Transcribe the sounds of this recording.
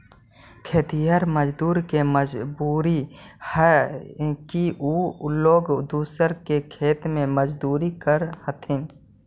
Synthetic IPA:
kʰeːt̪ijaːɾməd͡ʒd̪uːɾkeməd͡ʒbuːɾihɛ | kiʔuloːɡd̪uːsəɾkekʰeːt̪mẽməd͡ʒd̪uːɾikəɾhət̪ʰɪn

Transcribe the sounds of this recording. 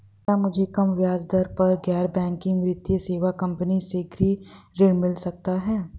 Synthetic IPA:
t̪amʊd͡ʒʱekɐmʋjaːd͡ʒd̪əɾpɐɾɡɛːɾbɛ̃ːŋkːĩŋmɾɪt̪jəseːʋakɐ̃mpəniseɡɾiːɾɪɽmɪlsɐk̚t̪aɦɛː

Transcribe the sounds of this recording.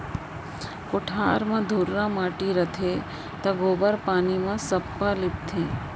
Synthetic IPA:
kʊʈʰaːɾmãd̪ʱʊɾːãmaːʈiɾɐt̪ʰe | t̪ɐɡoːbəɾpaːnimãsɐpːalɪpt̪ʰẽː

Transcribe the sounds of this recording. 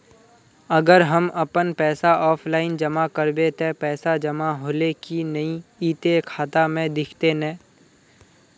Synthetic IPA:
əɡəɾɦəmʔəpənpɛːsaʔɔːpʰlaːɪnd͡ʒəmakəɾbet̪epɛːsad͡ʒəmaɦoːlekinəĩiːt̪ekʰaːt̪amẽd̪ɪkʰt̪enɛ̃ː

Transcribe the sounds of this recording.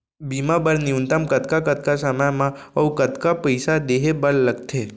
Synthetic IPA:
bimabəɾnɪunt̪əmkət̪kakət̪̚kasəməjmãəwkət̪kapəɪsad̪eɦebəɾləɡt̪ʰe

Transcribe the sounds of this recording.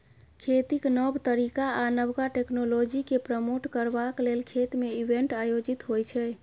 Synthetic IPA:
kʰet̪iknəbt̪əɾikaanəbkaʈeknolod͡ʒikepɾəmoʈkəɾbaklelkʰet̪meibeɳʈajod͡ʒit̪ɦojt͡ʃʰɛ

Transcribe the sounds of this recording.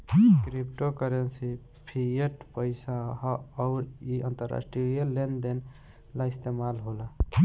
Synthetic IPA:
kɾipʈokəɾensi | pʰijeʈpəɪsaɦɔʊɾiənt̪əɾa̰sʈɾiɾijəlend̪en | laist̪emalɦolə

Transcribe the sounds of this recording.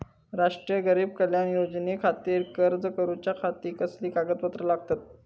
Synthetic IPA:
ɾaʂʈɾijəɡəɾiːbkəljanjod͡znekʰat̪iːɾkəɾd͡zəkəɾut͡ɕjakʰat̪iːkəsliːkaɡət̪pət̪ɾəlaɡ̚t̪at̪̚

